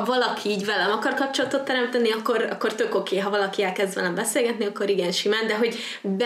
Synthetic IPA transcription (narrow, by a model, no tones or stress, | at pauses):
vɒlɒkʰiiːɟvɛlɛmɒkɒrkɒp̚t͡ʃo̞lɒt̪ot̪ːɛɾɛmt̪ɛniɒkːo̞ɾɒ̰kːo̞rt̪ø̞ko̞kʰeːɦɒvɒlɒkiɛlkɛzd̪ʋɛ̰lɛmbɛseːlɡɛt̪niɒkːo̞ɾiɡɛnʃimaːnd̪ɛɦo̞ɟ | b